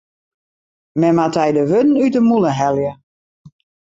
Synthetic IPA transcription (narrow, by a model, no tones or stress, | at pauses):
mɛmatɛjdəʋødn̩ytəmulˠəɦɛlˠjə